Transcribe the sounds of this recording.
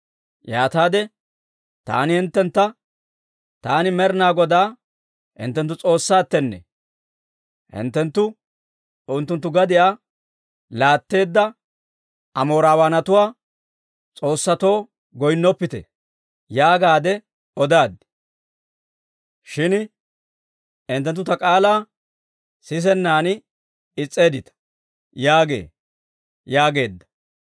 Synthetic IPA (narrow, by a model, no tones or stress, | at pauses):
jaːt̪aːd̪ɛ | t̪a̰ːnɪhɪnt̪ːɛnt̪ːɐ | t̪aːnɪmɛɾnaːɡɔd̪aː | hɪ̰nt̪ːɛnt̪̬ːʊt͡sʼo̞ːsːaːt̪ːɛnːɛ̰ | hɪ̰nt̪ːɛnt̪ːʊ | ʊnt̪ːʊnt̪ːʊɡɐd̪ɪjaː | laːt̪ːe̞ːd̪ːɐ | ɐmo̞ːɾaːwaːnɐt̪ʊwaː | t͡sʼo̞ːsːɐt̪o̞ː | ɡɔjnːɔpːɪt̪ḛ | jaːɡaːd̪ɛ | ɔd̪aːd̪ɪ̥ | ʃɪn | ɪnt̪ːɛnt̪ːʊt̪ɐkʼaːlaː | sɪs̬ɛnːaːn | ɪt͡sʼːe̞ːd̪ɪt̪ɐ̥ | jaːɡe̞̰ː | jaːɡe̞ːd̪ːɐ̥